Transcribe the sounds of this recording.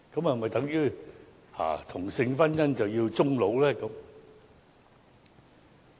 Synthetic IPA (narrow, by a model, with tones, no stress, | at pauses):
kə˨˥ma˨˩mɐ˨˩t̪ɐ˨˥ŋjyː˧˥ | ha̰ː˨˩t̪ʰʊ˨˩ŋsɪ˧ŋfɐ˥njɐ˥nt͡sɐ˨˩wji˧wt͡sʊ˥ŋlo˨˥wlɛː˦˥kə˨˧˥m